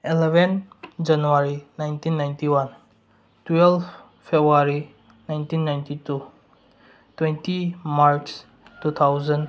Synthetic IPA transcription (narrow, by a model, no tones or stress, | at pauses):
ilebʱend͡ʒanuwaɾinajntʰinːajntiwan | twelpʰ | pʰebɾuaɾi | najntinːajntitu | twentimaɾks | tut̪ʰawzən